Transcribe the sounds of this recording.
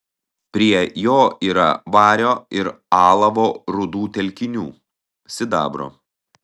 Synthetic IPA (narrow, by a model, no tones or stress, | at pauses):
pʲɾʲiɛjoːiːɾɐ̰ʋɑːɾʲoːɪɾ | ɑːlˠɐʋoːɾʊd̪uːt̪ʲɛlʲkʲɪnʲṵː | sʲɪd̪ɑ̰ːbɾo̰ː